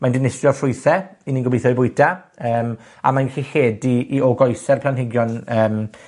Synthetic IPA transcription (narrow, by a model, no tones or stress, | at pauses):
mandɪnɪsjɔ̥fʊjθɛinɪŋɡʊbejθɔjbʊɨda | əːm | a̰manɡxiheːdiːɔɡɔjθɛrpʰlanhɪɡjɔnəːm